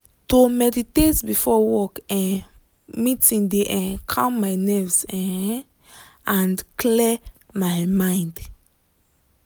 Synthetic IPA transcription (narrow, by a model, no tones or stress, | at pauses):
tomɛditetbifɔwɔkɛ̃ | mitĩndeʔɛ̃kʰãmmaɪnɛfsɛ̃ | ãnkʰlɛ | majmãj̃nd